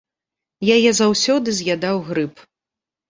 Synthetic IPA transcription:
jajɛzawsʲɔd̪ɨzʲjad̪awɣɾɨp

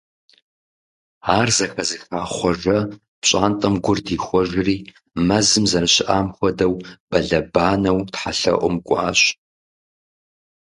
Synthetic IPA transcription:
aːrzɐxɐzɨxaːχʷɔʐɐ | pɕʼaːntʼɐmɡʷʊrdiːxʷɔʒɪriː | mɐzɨmzɐnɨɕɪʔaːmxʷɔdɐwb̥ɐɮɐbaːnɐwtħaɬɐ̰ʔʷʼʊmkʷʼa̰ːɕ

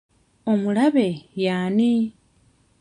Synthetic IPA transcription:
omulaβejaːni

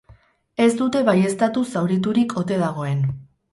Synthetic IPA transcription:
e̞zd̪ut̪e̞βaje̞st̪at̪usawɾit̪uɾikʰo̞t̪e̞ð̞aɣ̞o̞e̞n

